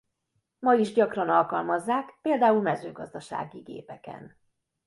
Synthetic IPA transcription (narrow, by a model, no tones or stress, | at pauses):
mɒiʒɟɒkrɒnɒlkɒlmɒzːaːkpeːld̪aːulmɛzø̰ːɡɒzd̪ɒʃa̰ːɡiɡḛːpɛkɛ̰n